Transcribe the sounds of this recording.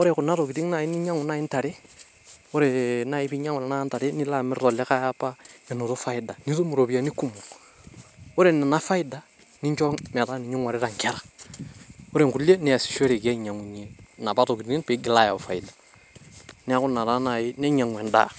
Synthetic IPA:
ʊ˦ɾe˦˨kʊ˨na˦ɾo˨ɡi˨di˦ŋna˨jɪ˦nɪ˦ɲa˦ŋʊ˨na˦ɪ˦n˦ta˨ɾe˦ | ʊ˦ɾe˨na˨jɪ˦bi˦ɲa˦ŋʊ˨na˨na˦n˦ta˨ɾe˦ni˦la˦mɪ˦ɾɔ˨lɪ˦ka˦ja˦pːa˦ɛ˨no˨ɾo˦fa˦ɪ˦da˨ni˦to˦mu˨ɾo˨bi˨a˨˦ni˦ku˦mu˨ | o˦ɾe˦˨nɪ˨na˦fa˦ɪ˦da˨ | nɪ˦ɲt͡ʃɔ˦mɛ˨ta˦nɪ˨ɲi˦ŋwa˨ɾɪ˦ɾa˨ŋkɛ˦ɾa˨ | ʊ˦ɾe˨ŋku˨le˦nɪ˦a˨si̥˨ʃo˦ɾe˨ɡɛ˦˨ɲa˨ŋu˨ɲe˦na˨ba˦to˨ki˨ti˦npɪ˨˦ɡɪ˨la˦ja˨fa˨ɪ˨da˨ | nɪ˦a˦kʊ˦na˨ɾa˦na˨jɪ˦nɛ˦ɲa˨ŋwɛ˨nda̰ː˦

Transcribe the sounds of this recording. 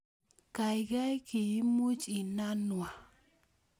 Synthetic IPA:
ka˨ɪ˨ɡa˦jki˨i˦mu˦t͡ʃi˨na˦nwa˨

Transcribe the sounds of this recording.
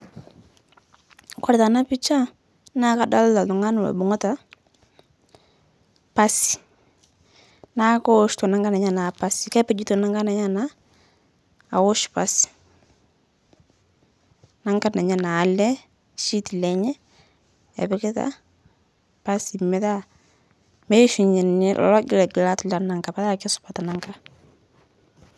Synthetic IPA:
kɔ˦ɾta˨na˦pi˦t͡ʃa˦ | na˦ka˦da˦lla˨tʊ˨ŋa˦n˨wa̰˨bʊ˨ŋɔ˦ta˨ | pa˦si̥˨ | na˦kɔ˦ʃtɔ˨na˦ŋɡa˦na˨ɲa˦˨na˨pa˦si˨kɛ˦pɛ˨d͡ʒi˦to˨na˦ŋɡa˦na˨ɲa˦na˦ | a̰˨wo˦ʃpa˦si̥˨ | na˦ŋɡa˦na˨ɲa˨naː˨lɛ˦ | ʃi˦ti˨lɛ˨ɲɛ˦ | ɛ̰˨βɛ˦ke˦ta̰˦ | pa˦si˨mɛ˦ða˦ | mɛ˦ʃu˨ɲɛ˨n˨ɛ˦lʔɔ̰˨lɔ˦ɡi˦lɛ˨ɡi˨la˦tla˨na˨ŋɡa˨pa˦ða˦˨kɛ˦su̥pa˨ta˨na˦ŋɡa˦

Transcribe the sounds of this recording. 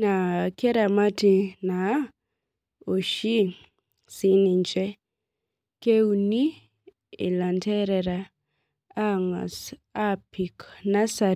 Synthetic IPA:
na˨kɛ˦ɾa˨ma˦ti˨na˨ | o˨ʃi˦ | si˦ni˨ɲt͡ʃɛ˦ | ke˦u˨ni˦ | ɪ̰˨la˨ntɛ˦ɾɛɾa | ŋsa˦pi˨kna˦sa˨

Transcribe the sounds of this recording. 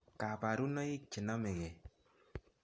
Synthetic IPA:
ka˨pa˨ɾu˦nɔ˦i˦k̚t͡ʃɪ˨na˦mɛ˨kɛ˨

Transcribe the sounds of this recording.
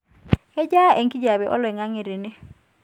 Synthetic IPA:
ɛ˦d͡ʒa˦ʔe˨ŋki˦d͡ʒa˨βɛ˨ʔɔ̰˦lɛ˨ŋa˦ŋe˨ɾɪ˨nɪ˦

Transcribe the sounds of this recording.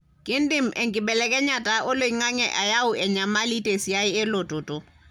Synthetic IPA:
kʼɪ˦n̩˦dɪ˦m̩˨ʔe˨ŋ̩˨kʼɪ˨bɛ˨lɛkʼɛ˦ɲa˨tʼa˨ʔʊ˦le˦˨i˦ŋa˦ŋɛʔa˨ja˦ʊ˦ʔɛ˨ɲa˨ma˦li˦tʼe˨si˨a˦ɪ˦ɪ˦lo˨tʼʊ˨tʼʊ˨

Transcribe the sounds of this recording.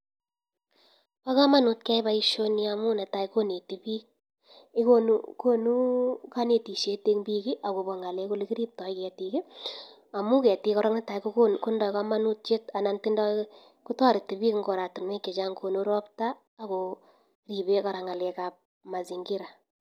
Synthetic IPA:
pa˦kɔ˦ma˦nu˦tkɛ˦ɪ˦ba˦i˦ʃo˦ni˦a˨mu˦nɛ˨ta˨i˦ko˦ne˨ti˦bi˦k̚ | ɪ˦ko˦ko˦nu˦ka˦ne˨ti˨ʃe˦te˦ŋmbiː˦kɪ˦ʔa˨ko˨bɔ˨ŋa˨le˦ko˦lɪ˦ki˦ɾi˦p̚tɔ˨i˦kɛ˨ti˦ki˦ | a˨mu˦kɛ˨ti˦kɔ˦ɾɔ˦ŋnɛ˦ta˨ikoku˦ndɔ˨kɔ˦ma˦nu˦t̚t͡ʃe˦ta˨na˨nti˦ndɔ˦ | ku˦tɔ˦ɾɪ˨ti˨biː˦kŋɡo˨ɾa˨tu˨nmwe˦ke˨t͡ʃa˦ŋko˨nu˦ɾɔ˦ptaː˦˨ | ko˨ | ri˨be˦ka˨ɾa˨ŋa˨lɛ˨ka˨p̚ | ma˨si˨ŋɡɪ˦ɾa˨

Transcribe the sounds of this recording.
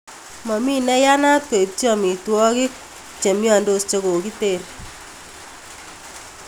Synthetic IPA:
mɔ˨mi˦nɛ˦ja˦na˦te˨p̚ti˦ɔ˦˨mi˨twɔ˦kɪ˦ | t͡ʃe˨mjɔ˨ndo˦st͡ʃe˦ko˨ki˦te˨ɾ

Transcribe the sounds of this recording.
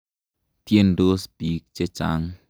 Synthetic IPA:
t̪i˦ə˧ndo˦sbi˨˦k̚t͡ʃe˧t͡ʃa̰˦ŋ

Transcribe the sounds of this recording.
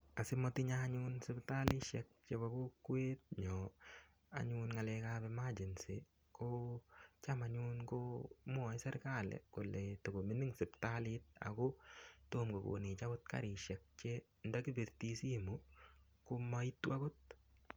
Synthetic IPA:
a˨sɪ˦mɔ˦tɪ˦ɲa˦ɲʊnsɪ˦bta˦lɪ˦ʃɛk̚t͡ʃe˦ba˨ko˦kweː˦t̚ɲɔ | a̰˨ɲʊnŋa˨lɛkabɛ˦ma˦d͡ʒi˨nsi | ko | t͡ʃama˨ɲu˦nkomʊ˦a˨ɪ˦sɛ˦ɾka˦lɛ̰˨kʊ˨lɛ˨to˨ko˨mi˦ni˦ŋsɪ˨ptalɪt̚a̰kʊ˦to˦mɡo˨ko̰˨nɪ˨t͡ʃa˦kʊ˦t̚ka̰ɾɪ˨ʃɛk̚t͡ʃe˦ | nda˦ki˦be˨ɾti˦si˦mu | ko˦ma˦i˦tːu˦a˦ɡʊ˦t̚

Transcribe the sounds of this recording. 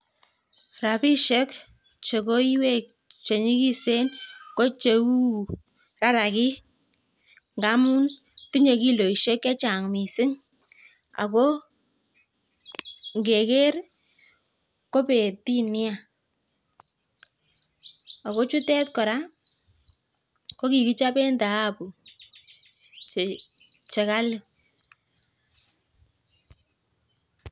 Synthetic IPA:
ra˨pi˦ʃe˦k | t͡ʃe˨ko˦i˦we˦˨k̚ | t͡ʃe˨ɲi˦ki˦se˦nko˦t͡ʃe˨u˦ | ra˦ɾa˨ki˦ | ŋɡa˨˦mu˦nti˦ɲe˨ki˦lo˨i˨ʃe˦ke˦t͡ʃa˨ŋmi˨sɪ˦ŋ | a̰˨ko˦ | ŋɡe˨ke˦r | ko˦pe˨ti˦nɪ˦a˨ | a˨ko˦t͡ʃu˦tɛ˦tkɔ˨ɾa˦ | ko˦ki˨ki˦t͡ʃa˦pɛ˦ndaː˨˦pu˨ | t͡ʃe˨ka˦l

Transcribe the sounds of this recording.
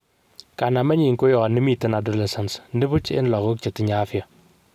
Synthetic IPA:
ka˨na˨ma˦ɲiː˨ŋko˦jɔ˨ɣa˨ni˦mi˦ti˦na˨dɔ˨lɛ˨sa˨nsndi˦bu˦t͡ʃɪ̰˦nla˨ɣu˦kt͡ʃi˨ti˨˦ɲaː˦fi˦ja˨

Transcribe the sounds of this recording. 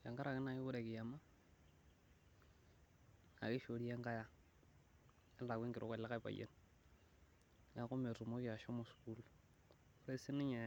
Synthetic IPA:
ja˨ŋɡa˦ɾa˨kɪ˦na˦i˦bʊ˦ɾe˨kɪ˨ja˨ma˦ | a̰˨kɪ˦ʃo˨ɾi˦e˦ŋka˦ja˦ | ɛ˦a˨kwi˦ŋɡɪ˨ɾʔo˦kwa˨la˦ka˦i˨pa̰˨jḛ˦n | ŋa˦kʊ˦me˨tu˨mo˦kɪ˦a˨ʃɔ˦mo˨sku˦l | ɾe˦si˦nɪ˦ɲa˨

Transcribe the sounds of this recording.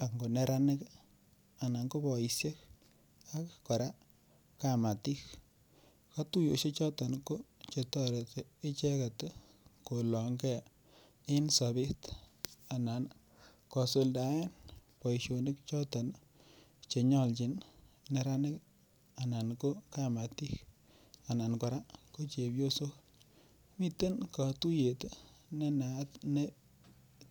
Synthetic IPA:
a˨ŋɡo˨ne˨ɾa˦nɪ˦k | a˨na˨ŋko˦pɔ˨i˨sje˦k | a˦kːɔ˨ɾa˦ | ka˨ma˨ti˦k | ka˦tu˦jo˨ʃe˦t͡ʃɔ˦tɔ˨nko˦t͡ʃe˨tɔ˦ɾe˨tɪ˦t͡ʃɛ˦ka˨t | ko˨lɔ˨ŋɡɛ˦˨ | ɪ˦nsa˨bi˦ta˨na˨n | kɔ˨so˨lda˨ɛ˦npɔ˨jʃo˨nɪ˦k̚t͡ʃɔ˦tɔ˨n | t͡ʃe˨ɲɔ˦˨lt͡ʃɪ˨˦nne˨ɾa˦nɪ˦k | a˨na˨nko˦ka˦ma˨ti˦k | a˨na˨nkɔ˨ɾa˦ko˦t͡ʃe˨bjo˦so˦ | mi˦te˦nka˨tu˦je˨tne˦na˨tne˦

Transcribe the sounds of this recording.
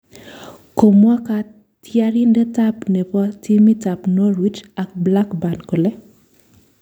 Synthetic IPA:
ko˨mwa˦ka˦ | tja˦ɾi˦ndɛ˦ta˦pnɛ˨pɔ˦te˦mi˦ta˨pno˦ɾwi˦t͡ʃa˨k̚bla˦kba˨nko˨lɛ˦

